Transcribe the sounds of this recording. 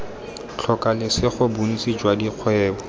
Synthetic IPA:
t͡ɬʰɔkʼalɪsɪχʊbun̩t͡sʼid͡ʒwadiq͡χʰwɛːbɔ

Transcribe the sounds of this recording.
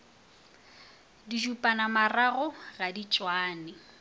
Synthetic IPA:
diʒupʼanamaraɣʊɣadit͡ʃʼwaːnɪ

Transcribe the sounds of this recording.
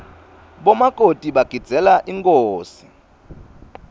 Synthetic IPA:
ɓɔmakʼotʼiɓaɡ̥ʱid̥z̥ʱɛlaʔiŋkʼoːsi̥

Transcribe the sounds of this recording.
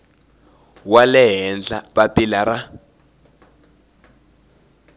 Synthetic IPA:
walɛɦɛnd͡ɮaɓapilara

